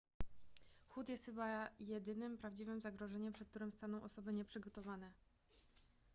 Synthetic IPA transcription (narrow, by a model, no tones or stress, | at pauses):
xut̪jɛst̪xɘbajɛd̪ɘnɘmpɾavd͡ʑivɘmzaɡɾɔʐɛɲɛmpʂɛt̪̚kt̪uɾɘmst̪anɔ̃w̃ʔɔsɔbɘɲɛpʂɘɡɔt̪ɔvanɛ